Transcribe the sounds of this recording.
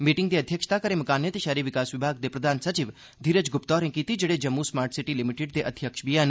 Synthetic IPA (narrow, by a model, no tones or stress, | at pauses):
miʈɪ̃ŋɡd̪eɐd̪ʱjəkʃt̪akəɾemɐkaːnjet̪ʃaɾiʋɪkaːsʋɪbʱaːɡd̪epɾəd̪ʱaːnsət͡ʃiʋ | d̪ʱiːɾəd͡ʒɡʊpt̪ɔːɾẽkit̪id͡ʒəɽed͡ʒɐmːusmaːɾʈsiʈilimiʈeɖ̚d̪eʔəd̪ʱjəkʃbijan